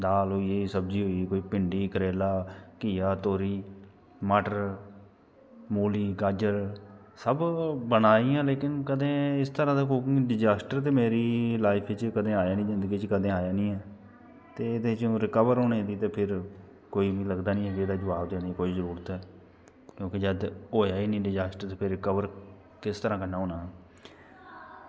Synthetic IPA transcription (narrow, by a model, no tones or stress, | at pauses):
d̪aːlɦoːiːeːsəb̚d͡ʒiːɦoːiːkoːiːpɪɳɖiːkəɾeːlaːkiːaːt̪oːɾiː | maːʈəɾ | moːliːɡaːd͡ʒəɾ | səbbənaːiːãːleːkɪnkəd̪ẽːɪst̪əɾãːd̪aːkoɖɪd͡ʒaːsʈəɾt̪̬eːmeːɾiːlaːɪpʰɪt͡ʃkəd̪ẽːaːjaːnĩːd͡ʒɪ̃nd̪əɡiːt͡ʃkəd̪ẽːaːjaːnĩːɛː | t̪eːd̪eːt͡ʃːɾɪkəʋəɾɦoːneːd̪iːt̪eːpʰɪɾ | koːiːʋĩːləɡd̪aːnĩːɛːkɪeːd̪aːd͡ʒəʋaːbd̪eːniːkoːiːzəɾuːɾt̪ɛː | kjõːked͡ʒəd̪oːjaːiːnĩːɖɪd͡ʒaːsʈəɾt̪eːpʰɪɾːɪkəʋəɾ | kɪst̪əɾãːkənaːɦoːnãː